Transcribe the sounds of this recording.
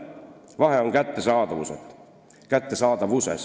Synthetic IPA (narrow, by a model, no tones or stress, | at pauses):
vɑɦe̞o̞ŋkæt̪ːesɑːd̪ɑvuset̪ | kæt̪ːe̞sɑːd̪ɑvusḛs